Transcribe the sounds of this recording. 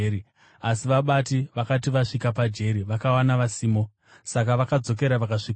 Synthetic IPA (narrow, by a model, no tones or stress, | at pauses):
ɾi | asiʋaɓatiʋakatiʋaʂikapad͡ʒe̞ɾiʋakawanaʋasiːmo̞ | sak̬aʋakad͡zo̞k̬e̞ɾaʋakaʂik